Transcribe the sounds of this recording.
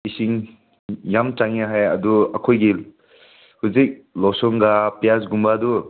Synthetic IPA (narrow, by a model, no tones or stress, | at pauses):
isiŋ | jamt͡ʃaŋjaɦajɐ̰duakʰojɡi | huzik̚lɔwsɔŋɡapijasɡumbadu